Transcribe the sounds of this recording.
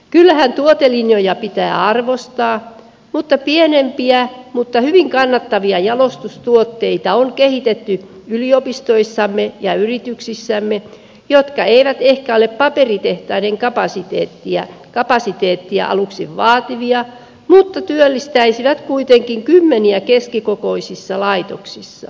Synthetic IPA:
kylːæhænt̪uot̪elinjojɑpit̪æːɑrʋost̪ɑː | mut̪ːɑpienempiæmut̪ːɑhyʋiŋkɑnːɑt̪ːɑʋiɑjɑlost̪ust̪uot̪ːeit̪ɑoŋkehit̪et̪ːyyliopist̪oisːɑmːejɑyrit̪yksisːæmːe | jot̪kɑeiʋæt̪ehkæoleppɑperit̪eht̪ɑineŋkɑpɑsit̪eːt̪ːiæ̰kɑpɑsit̪eːt̪ːiæ̰ʔɑ̰luksiʋʋɑːt̪iʋiɑ | mut̪ːɑt̪yølːist̪æisiʋæt̪kuit̪eŋkiŋkymːeniækeskikokoisisːɑlɑit̪oksisːɑ̰

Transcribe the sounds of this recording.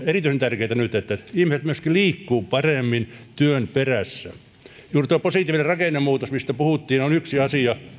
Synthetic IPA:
erit̪yisent̪ærkeit̪ænyt̪et̪ːæihmiset̪myøskiliːkːuːpɑremːint̪yønperæsːæ | juːrt̪uoˑiposit̪iːʋinerɑkeˑnːemmuːt̪osmist̪æpuhut̪ːiːneonyksiɑsiɑ

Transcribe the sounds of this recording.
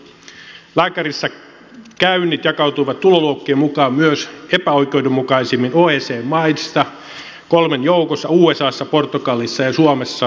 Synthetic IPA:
læːkæɾisːɑ | kæynːit̪jɑkɑwt̪ujʋɑt̪ːuloluokːeːmmukɑːmmyøse̞pæo̞jk̟eude̞mːukɑisimːinoːeːseːmmɑjst̪ɑ | ko̞lmenjowkosːɑuːesɑːsːɑpo̞rt̪ːukɑlːˑisːɑjɑsuomesːɑ

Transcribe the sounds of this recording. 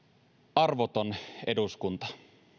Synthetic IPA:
ʔɑrʋot̪onḛduskunt̪ɑ̥

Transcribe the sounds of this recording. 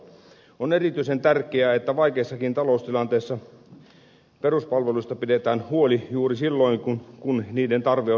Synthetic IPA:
onerit̪yisent̪ærkˑeæet̪ːæʋɑikeːsːɑkint̪ɑloust̪ilɑnt̪eːsːɑ | peruspɑlʋeluist̪ɑpidet̪æːnhuolijuːrisilːoiŋkunkunniːdent̪ɑrʋe

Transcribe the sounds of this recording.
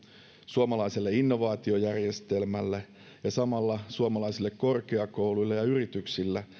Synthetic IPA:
suomɑlɑiselːeinːo̞ʋɑːt̪io̞jærjest̪elmælːæ | jɑsɑmɑlːɑsuomɑlɑisilːekko̞rkeɑko̞wlujlːejɑyrit̪yksilːæ

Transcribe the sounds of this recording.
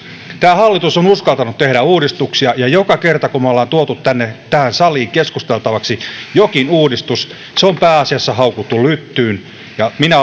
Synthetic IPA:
t̪æːhɑlːit̪usonuskɑlt̪ɑnut̪t̪ehɾæuːdist̪uksiɑjɑjokɑkert̪ɑkumæoleːnt̪uot̪ut̪t̪ænːet̪æhænsɑliːŋkeskust̪elt̪ɑʋɑksijokinuːdist̪us | seompæːɑsiɑsːɑhɑukut̪ːulyt̪ːyːn | jɑminæ

